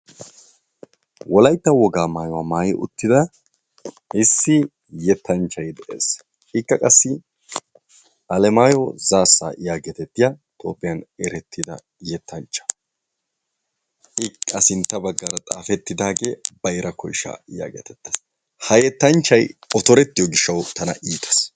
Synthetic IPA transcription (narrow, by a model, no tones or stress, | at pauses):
wɔlɐjt̪ːɐwɔɡaːmaːjɔwaːmaːjɪʔʊ̰t̪ːɪd̪ɐ | ɪsːɪ | jɛt̪ːɐnt͡ʃːɐjd̪ɛʔḛːs | ɪkːɐkʼɐsːɪ | ʔɐlɛmaːjɔzaːsːa̰ːʔɪjaːɡɛt̪ɛt̪ːɪjɐt̪ʰʼo̰ːpːɪjɐnɛɾɛt̪ʰːɪd̪ɐ̰ | jɛt̪ːɐnt͡ʃːɐ̥ | ɪkːɐsɪnt̪ːɐbɐɡːaɾɐt̪ʼa̰ːfɛt̪ːɪd̪aːɡe̞ːbɐjɾʔɐkɔjʃa̰ːɪja̰ːɡɛ̰t̪ɛt̪ːɐs | hɐjɛt̪ːɐnt͡ʃːɐjɔt̪ɔɾɛt̪ːɪjɔɡɪʃːɐwt̪ɐnɐʔiːt̪ʰɐ̥s